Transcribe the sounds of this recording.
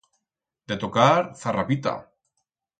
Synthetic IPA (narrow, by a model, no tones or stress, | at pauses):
d̪et̪okaɾθarapit̪a̰